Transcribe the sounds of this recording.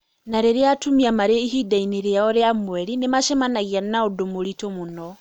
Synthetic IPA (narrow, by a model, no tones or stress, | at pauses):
naɾeɾeatumiamaɾeiɦidainiɾeaɔɾeamwɛɾinemaʃɛmanaɣianaodomoɾitomunɔ